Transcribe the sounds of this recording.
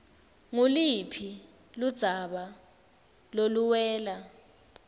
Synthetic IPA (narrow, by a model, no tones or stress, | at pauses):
ŋulipʰi | lud̥z̥ʱaɓa | loluwɛːla